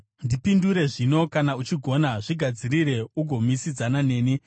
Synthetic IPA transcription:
ndipinduɾe̞ʐino̞kanaut͡ʃiɡʱo̞naʐiɡʱad͡ziɾiɾe̞uɡʱo̞misid͡zanane̞ːni

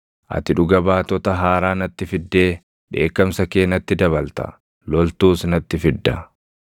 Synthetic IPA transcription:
ʔɐ̰t̪ɪᶑʊɡɐbaːt̪ːɔt̪ɐɦaːɾaːnɐt̪ːɪfɪd̪ːe̞ː | ᶑe̞̰ːkːɐmsɐkeːnːɐt̪ːɪd̪ɐβɐlt̪ɐ̰ | lɔlt̪uːsnɐt̪ːɪfɪd̪ːɐ

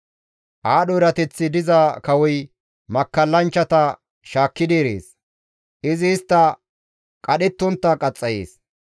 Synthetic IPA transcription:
ʔaːɗɔɾɐt̪ɛt͡sːɪd̪ɪzɐkɐwɔj | mɐkːɐlːɐnt͡ʃːɐt̪ɐ | ʃaːkːɪd̪iːɾḛːs | ʔɪzɪːst̪ːɐ | kʼɐɗɪt̪ːʊnt̪ːɐkʼɐt͡sʼːɐjḛːs

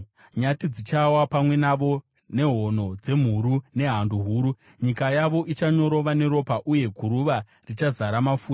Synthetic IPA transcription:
ɲatid͡zit͡ʃawapamwe̞naʋo̞ | ne̞ɦo̞no̞d͡ze̞m̤uɾune̞ɦanduɦuːɾu | ɲikajaʋo̞ʔit͡ʃaɲo̞ɾo̞ʋane̞ɾo̞paʔuje̞ɡʱuɾuʋa | rit͡ʃazaɾamafuːta

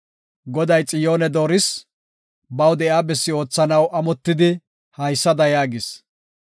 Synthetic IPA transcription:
ɡɔd̪ɐjt͡sʼɪjo̞ːnɛd̪o̞ːɾɪs | bɐwd̪ɛjaːbɛsːɪo̞ːt͡sːɐnɐwʔɐmɔt̪ːɪd̪ɪ | hɐjsːɐd̪ɐjaːɡɪs

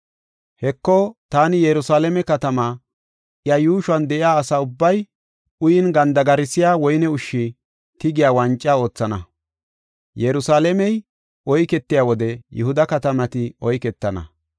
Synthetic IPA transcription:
hɛkːɔt̪aːnɪjɛɾʊsaːlɛmɛkɐt̪ɐma | ʔɪjɐjuːʃwɐnd̪ɛʔɪjaːsaːʊbːɐj | ʊjɪnɡɐnd̪ɐɡɐɾɪsɪjaːwɔjnɛʊʃːɪ | t̪ɪɡɪjaːwɐnt͡ʃʼːao̞ːt͡sːɐnɐ | jɛɾʊsaːlɛmɛj | ʔɔjkɛt̪ːɪjaːwɔd̪ɛjʊhʊd̪ɐkɐt̪ɐmɐt̪ɪɔjkɛt̪ːɐnɐ̰

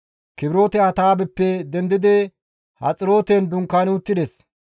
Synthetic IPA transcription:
kɪbɾo̞ːt̪ɛɐt̪aːbɛpːɛd̪ɛnd̪ɪd̪ɛ | hɐ̰t͡sʼɪɾo̞ːt̪ɛnd̪ʊŋkːaːnʊt̪ːɪd̪ɛs

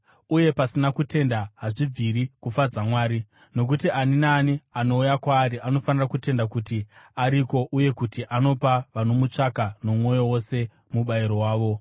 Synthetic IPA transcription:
uje̞pasinakute̞ndaɦaʐib͡viɾikufad͡zamwaːɾi | no̞k̬utiʔaninaːniano̞ujakwaːɾiʔano̞fanirakute̞ndakutiaɾiko̞ʔuje̞kutiʔano̞paʋano̞mut͡ʂakano̞mwo̞jo̞wo̞se̞ | muɓaiɾo̞waːʋo̞

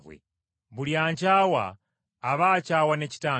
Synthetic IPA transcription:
wɛ̰ | mbuliant͡ʃawa̰ː | ʋaːt͡ʃawanɛt͡ʃi̥taː

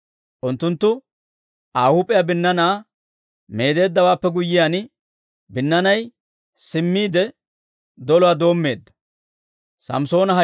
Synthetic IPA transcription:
ʔʊnt̪ːʊnt̪ːʊ | ʔaːhʊːpʼɪjabɪnːɐnaː | me̞ːd̪e̞ːd̪ːɐwaːpːɛɡʊjːɪjaːn | bɪnːɐnɐj | sɪmːiːd̪ɛ | d̪ɔlɔwaːd̪o̞ːmːe̞ːd̪ːɐ̥ | sɐ̰mso̞ːnɐɦɐ

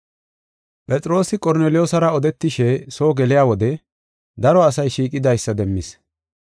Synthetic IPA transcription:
pʼɛt͡sʼɪɾo̞ːsɪkʼɔɾneːlɪjoːsɐɾɐɔd̪ɛt̪ːɪʃɛso̞ːɡɛlɪjaːwɔd̪ɛ | d̪ɐɾɔɐsɐjʃiːkʼɪd̪ɐjsːɐd̪ɛmːɪs

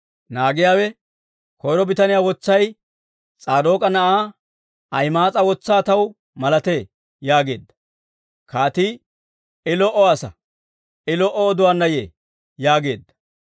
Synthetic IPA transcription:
naːɡɪjaːwɛ | kɔjɾɔbɪt̪ɐnɪjaːwɔt͡sːɐj | t͡sʼaːd̪oːkʼɐnɐʔaː | ɐjmaːt͡sʼɐwɔt͡sːaːt̪ɐw | mɐlɐt̪eː | jaːɡe̞̰ːd̪ːɐ̥ | kaːt̪iː | ɪlɔʔɔɐsɐ̰ | ɪlɔʔɔːd̪ʊwaːnːɐjḛː | jaːɡe̞̰ːd̪ːɐ̥

